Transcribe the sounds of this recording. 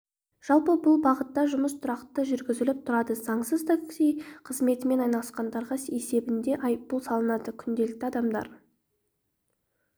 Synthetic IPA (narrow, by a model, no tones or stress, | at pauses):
ʒ̥ɑlˠpəbʊlˠbɑʁət̪ːɑʒʊməst̪ʰʊɾɑqt̪əʒʏɾɡʲɪzɪlɪp̚t̪ʰʊɾɑd̪əz̥ɑɴsəzt̪ʰaksijqʰəzme̞t̪ɪme̞nɑjnɑlˠə̥sqɑnd̪ɑɾʁɑe̞se̞bɪnd̪e̞ʔɑjppːulˠsɑlˠənɑd̪əkʲʰʏnd̪e̞lɪk̚t̪ɪɑd̪ɑmd̪ɑ̰ɾ